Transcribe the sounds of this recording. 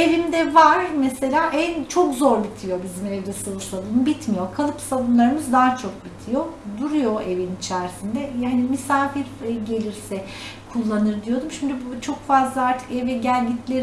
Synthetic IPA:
e̞vimd̪ɛvaɾ̥mese̞lʲaːʔɛnt͡ʃʰo̞kzo̞ɾbit̪ʰijo̞bizimevd̪ɛsalˠuʃlˠad̪ɯːmbit̪ʰmijo̞kʰalˠɯpsabunlˠaɾɯmɯzd̪aːt͡ʃʰo̞k̚bit̪ʰijo̞d̪uɾujo̞e̞vinit͡ʃʰæɾsind̪ɛjhanimisaːfiɾɟe̞lʲiɾsɛ | kʰulˠːanɯɾd̪ijo̞d̪umʃimd̪ybut͡ʃʰo̞kfazlˠaaɾt̪ʰɯ̥kevɛɟælʲɟit̪lʲeɾ

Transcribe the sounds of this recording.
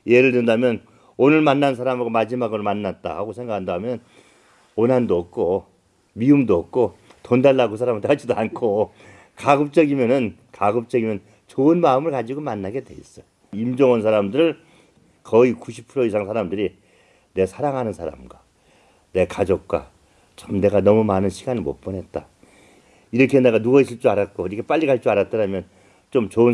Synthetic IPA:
je̞ɾɯɭtwendamjʌn | onɯɭmanːanns̬ʰaɾamɡomad͡ʑimaɡɯɾomanːat̚t͈a̰haɡosʰe̞ŋɡakʰandamjʌn | onɦandoʌk̚k͈ʰo | miumdoʌk̚k͈ʰotondaɭːakɯsʰaɾamɯtad͡ʑidoankʰo | kaɡɯp̚t͡ɕ͈ʌɡimjʌnɯn | kaɡɯp̚t͡ɕ͈ʌɡimjʌn | t͡ɕoɯnmaɯmɯɭkad͡ʑiɡomanːaɡe̞dwe̞is͈ʌj | imd͡ʑʌŋʌns̬ʰaɾamdɯɾɯɭ | kʌikuɕʰi̥pʰɯɾoisʰaŋsʰaɾamdɯɾi | ne̞sʰaɾaŋɦanɯnsʰaɾa̰mɡwa | ne̞kad͡ʑok̚k͈wa̰ | t͡ɕʰamne̞ɡanʌmumanɯnɕʰiɡanɯɭmo̰p͈ʌnɦe̞t̚t͈a | iɾʌkʰene̞ɡanuɡʌis͈ʰiɭt͡ɕ͈uaɾat̚k͈oiɾʌkʰep͈aʎːikaɭt͡ɕ͈uaɾat̚t͈ʌɾamjʌn | t͡ɕomt͡ɕoɯ

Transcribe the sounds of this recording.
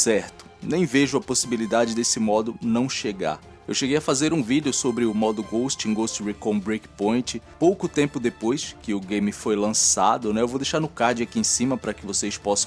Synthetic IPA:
sɛɾt̪ʊ̥nẽj̃veʒʊɐposibilid̪ad͡ʒɪd̪esɪmɔd̪ʊnɐ̃w̃ʃeɡa̰ɾ | ewʃeɡejɐfazeɾũvid̪ɪʊsobɾɪʊmɔd̪ʊɡowst͡ʃĩɡost͡ʃɾikõbɾikpõj̃t͡ʃɪpowkʊt̪ẽmpʊd̪epojskɪʊɡẽjmɪfojlɐ̃sa̰d̪ʊnɛewvowd̪ejʃaɾnʊkaɾd͡ʒɪakiẽsĩmɐpɾɐkɪvosespɔsɐ̃

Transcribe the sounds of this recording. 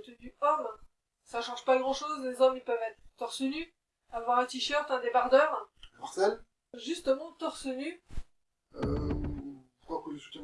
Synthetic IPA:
t̪d̪ypɔm | saʃɑ̃ʒpaɡʁɑ̃ʃozlezɔmilpœvɛt̪χət̪ɔʁsəny | avwaʁɛ̃t̪iʃœʁt̪ɛ̃d̪ebaʁd̪œːʁmɔʁt̪ɛl | ʒyst̪əmɑ̃t̪ɔʁsəny | ø | kwakwaʒyst̪əm

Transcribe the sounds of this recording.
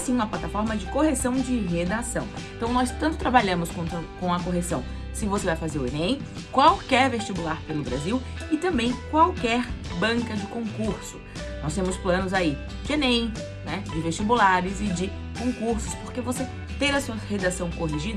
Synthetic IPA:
sĩũmɐplat̪afɔɾmɐd͡ʒɪkoɦesɐ̃w̃d͡ʒɪɦed̪asɐ̃w̃ẽt̪ɐ̃w̃nɔst̪ɐ̃nt̪ʊ̥t̪ɾabaʎɐ̃mʊskõt̪ɐkõw̃ɐkoɦesɐ̃w̃ | sɪvosevajfazeɾʊḛnẽj̃ | kwawkɛɾvest͡ʃibulaɾpelʊbɾaziw | ɪt̪ɐ̃mbẽj̃kwawkɛɾbɐ̃ŋkɐd͡ʒɪkõkuɾsʊ̥ | nɔst̪ẽmʊsplɐ̃nʊzai | d͡ʒɪenẽj̃ | nɛd͡ʒɪveʃt͡ʃibulaɾɪzɪd͡ʒɪ | kõkuɾsʊ̥spoɾkevose | t̪ẽɾ̃ɐsuɐhed̪asɐ̃w̃koɦiʒid̪ɐ

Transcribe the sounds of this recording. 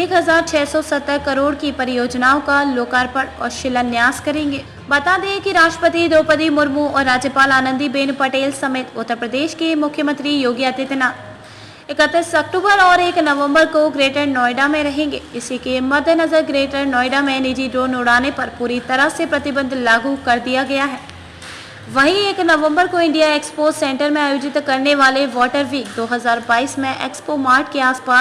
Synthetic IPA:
eːkɦɐzaːɾt͡ʃʰɛːsɔsɐt̪ːəɾkɐɾoːɽkipɐɾɪjoːd͡ʒnaːokaloːkaːɾpəɽɔ̰ːɾʃɪlənjaːzkɐɾẽːŋɡeː | bɐt̪aːd̪ekiɾaːʃʈɾəpət̪id̪oːpət̪imʊɾmuɔːɾːaːd͡ʒjəpaːlaːnə̃nd̪ibeːnpɐʈeːlsɐmeːt̪ʊt̪ːəɾpɾəd̪eːʃkemʊkʰːjəmə̃nt̪ɾijoːɡijəd̪ɪt̪naː | ɪkət̪ːɾɪsɐk̚ʈuːbəɾɔːɾeːknɐʋə̃mbəɾkoɡɾeːʈəɾnɔːɪɖamẽɾɐɦẽːŋɡeːɪsikemɐd̪ʱnɐzəɾɡɾeːʈəɾnɔːɪɖamẽniːd͡ʒiɖɾoːnʊɽ̤aːnepɐɾpuːɾit̪ɐɾəsepɾɐt̪ɪbə̃nd̪ʱlaːɡukɐɾd̪ijaɡɐjaɦɛː | ʋɐɦĩeːknɐʋə̃mbəɾkoɪ̃ɳɖijaeːkspoːsɛ̃ːɳʈəɾmẽaːjoːd͡ʒɪt̪kɐɾneʋaːleʋɔːʈəɾʋiːk̚d̪oːɦɐzaːɾbaːiːsmẽʔḛːkspomaːɾʈkeaːspaːs

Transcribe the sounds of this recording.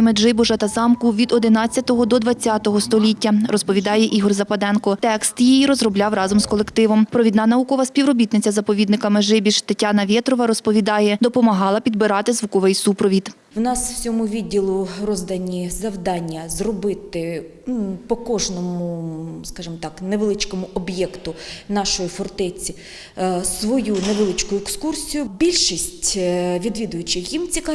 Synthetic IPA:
meʒɪbʊʒɐt̪ɐzɑmkʊʋʲid̪ɔd̪ɪnɑt͡sʲːɐt̪ɔɦɔd̪ɔd̪ʋɐt͡sʲːɑt̪ɔɦɔst̪ɔlʲitʲːɐrɔspɔʋʲid̪ɑjɛʔiɦɔrzɐpɐd̪ɛnkɔt̪ɛkst̪jijiɾɔzrɔblʲɑwrɑzɔmzkɔlˠekt̪ɪʋɔmpɾɔʋʲid̪nɑnɐukɔʋɐsʲpʲiʋwɾɔbʲit̪nɪt͡sʲɐzɐpɔʋʲid̪nɪkɐmeʒɪbʲiʃt̪ɐtʲːanɐʋʲɛt̪ɾɔʋɐɾɔspɔʋʲid̪ɑjɛd̪ɔpɔmɐɦɑlˠɐpʲid̪bɪɾɑt̪ɪzʋukɔʋɪjsupɾɔʋʲid̪ | wnɑsw̥t͡sʲɔmʊʋʲidʲːilˠʊrɔzd̪ɐnʲizɐwd̪ɑnʲːɐzrɔbɪt̪ɪ | pɔkɔʒnɔmʊskɑʒɨmt̪ɑkneʋelˠɪt͡ʃkɔmʊʔɔbjɛkt̪ʊnɑʃɔjifɔrt̪ɛt͡sʲi | sʋɔjuneʋelˠɪt͡ʃkʊjʊekskursʲijʊbʲilʲʃisʲtʲʋʲid̪ʋʲid̪ʊjʊt͡ʃɪxjimt͡sʲikɑ

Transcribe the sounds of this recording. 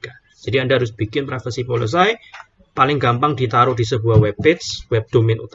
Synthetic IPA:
ka | d͡ʒ̥adiandaaɾʊsb̥ikɪnpɾɛfəsipolis̬aj | palɪŋɡampaŋdit̪aɾʊʔd̥is̬əbuahwɛpːɪt̪swɛb̚d̪̥omɪnṵt̪

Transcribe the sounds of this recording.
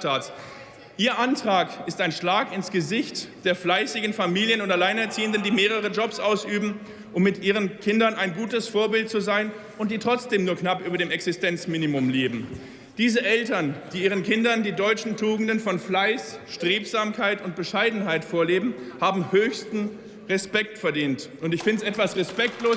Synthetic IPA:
taːts | ʔiːɐʔantʁ̥aːkɪstaɪnʃlaːkɪnsɡ̥əzɪçtd̥eːɐflaɪsɪɡn̩famiːljənʊntalaɪnɛɐt͡siːəndəndiːmeːʁ̞əʁ̞əd͡ʒɔpsʔaʊsʔyːbm̩ | ʔʊmːɪtʔiːʁ̞ənkʰɪndɐnaɪnɡuːtəsfoːɐbɪltt͡suzaɪn | ʔʊnt̚d̥iːtʁ̥ɔt͡sd̥eːmnuːɐknapʔyːbɐdeːmɛksɪstʰɛnt͡smiːnimʊmleːbm̩ | d̥iːzəʔɛltɐnd̥iːʔiːʁənkʰɪndɐndiːdɔʏt͡ʃn̩tʰuːɡŋ̩dənfɔnflaɪsʃtʁ̥eːpz̥aːmkʰaɪtʊnt̚b̥əʃaɪdn̩ɦaɪtfoːɐleːbm̩haːbm̩høːçstn̩ | ʁɛspɛk̚tfɛɐdiːntʔʊntɪçfɪndəsʔɛtv̥asʁɛspɛk̚tloː

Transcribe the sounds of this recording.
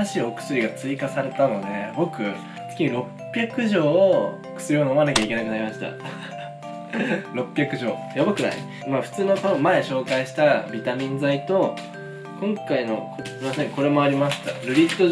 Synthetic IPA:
aɕio̞kɯ̥sɨɾʲiɡat͡sɨikasaɾe̞t̪ano̞d̪e̞bo̞kɯ̟ | t͡sɨ̥kʲiɲ̟iɾo̞ppʲːjakɯ̟ʑo̞ː | kɯ̟̥sɨɾʲiono̞manakʲaikʲe̞nakɯ̟naɾʲimaɕi̥t̪a̰ | ɾo̞pːʲjakɯ̟ʑo̞ːjabokɯ̟na̰i | maɸɯ̟̥t͡sɨːno̞konomae̞ɕo̞ːkaiɕi̥t̪abʲit̪amʲĩnd͡zait̪o̞ | kõŋkaino̞̰osɾʲimasẽ̞ŋko̞ɾe̞mo̞aɾʲimaɕi̥t̪aɾɯ̟ɾʲit̪ːo

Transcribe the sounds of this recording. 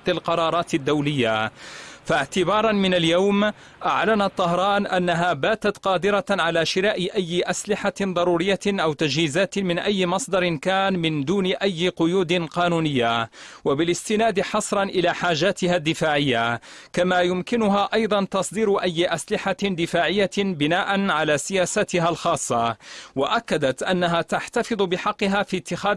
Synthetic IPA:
ɪlqɑɾˤɑːɾˤɑːt̪ɪd̪ːawlɪjːafaʕt̪ɪbɑːɾˤɑnmɪnaljawm | ʔa̰ʕlanat̪ˤːɑɦɾˤɑːnʔanːaɦaːbaːt̪at̪qɑːd̪ɪɾɑʕalaːʃɪɾaːʔɪʔajːɪʔaslɪħad̪ˤɑɾˤuːɾɪjːaʔawt̪ad͡ʒhiːzaːt̪mɪnʔajːɪmɑsˤd̪ɑɾɪnkaːnmɪnd̪uːnɪʔajːɪqʊjuːd̪ɪnqɑːnuːnɪjːawabɪlɪst̪ɪnaːd̪ħɑsˤɾˤɑnʔɪlaːħaːʒaːt̪ɪhad̪ːɪfaːʕɪjːa | kamaːjʊmkɪnʊɦaːʔɑjd̪ˤɑnt̪ɑsˤd̪iːɾʔajːɪʔaslɪħand̪ɪfaːʕɪjːabɪnaːʔanʕalaːsɪjaːsaːt̪ɪɦalxɑːsˤːɑwaʔakːad̪at̪ʔanːaɦaːt̪aħt̪afɨd̪ˤbɪħɑqːɪɦaːfit̪ːɪxaː

